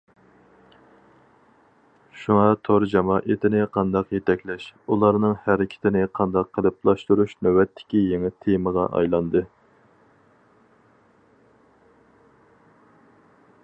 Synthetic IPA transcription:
ʃuŋɑt̪ʰoɾd͡ʒɑmɑːʔet̪ʰɪnɪqʰɑnd̪ɑqjet̪ʰɛkʲlɛʃulˠɑɾnɨŋhæɾɪkʲʰɪ̥t̪ʰɪnɪqʰɑnd̪ɑqʰːəlˠɨplˠɑʃt̪uɾuʃnøwɛt̪ʰːɪ̥kʲijeŋɪt̪ʰːeməʁɑ̰ʔɑ̰jlˠɑnd̪ɨ

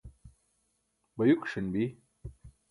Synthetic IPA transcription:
bɐjukʂinbi

